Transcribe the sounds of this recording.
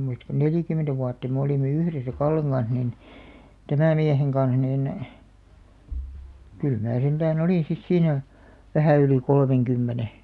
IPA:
muist ko neliˑkymentæ ʋuɑtːɑ me oliˑme yhresæ kɑlːeŋ ɡ̊ɑn̞s nin tæmæˑ mieheŋ ɡ̊ɑn̞s niːn kyl mæː sentæːn oliˑn̞ sis siːnæ ʋæhæˑ yli kolmeŋkymːene

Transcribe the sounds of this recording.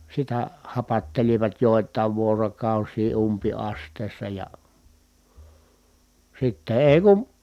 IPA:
sitæ hɑpɑtːeliʋɑt joˑi̯tˑɑˑi̯ʋ ʋuorokɑˑusiː umpiɑstˑeˑi̯sːɑ jɑ sitːe eː kun̞

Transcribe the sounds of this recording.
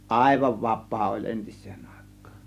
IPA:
ʔɑˑe̝ʋɑʋ ʋɑpˑɑː olʲ ʔentisˑe̥ːn̥ ɑˑe̞kːɑ̥ːn̥

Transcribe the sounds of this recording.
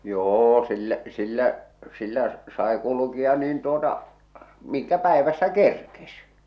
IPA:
joː silːæʔ silːæʔ silːæʔ sɑe kulukiɑ niːn tuotɑ miŋkæ pæeʋæsːæ kerkes

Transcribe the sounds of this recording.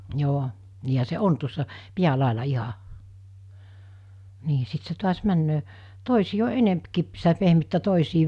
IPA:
joː niːhæ se on tuosːɑ piælɑˑelɑ iɦɑ niː sit se tuɑs mænːøː toˑisiː o enempkip sitæ pehmytːæ toˑisiː

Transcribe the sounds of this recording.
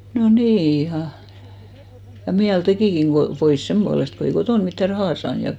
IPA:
no niː ihɑ jɑ miæl tekiˑkiŋ ɡ̊o pois semb̥uɑlest ko ei kotoˑn mitːæ rɑhɑˑ sɑːn jɑ

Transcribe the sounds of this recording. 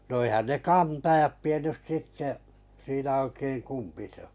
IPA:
no eĭhæn ne kɑntɑjɑt tienːys sitːe siːnæ oikeiŋ kumpi sĕ o̥

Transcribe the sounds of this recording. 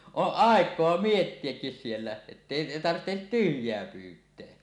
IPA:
oʔ ʔɑˑekˑoɑ mietːiekːis sielːæ etːeˑi tɑrtːet tyhjˑeæ pyːtˑeæ

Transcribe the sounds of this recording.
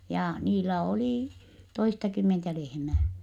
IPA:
jɑ niːlːæ oliˑ toistɑkymːentæ lehmæː

